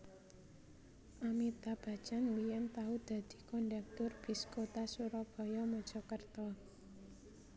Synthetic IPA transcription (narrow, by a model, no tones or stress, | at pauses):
ʔamit̪ab̥a̤̥t͡ʃanwijant̪aud̪̥a̤d̪̥i̤̥kɔnɖɛk̚t̪ʊrb̥i̤skot̪asuɾɔb̥ɔ̤jɔmɔd̥ʒ̥ɔ̤kərt̪ɔ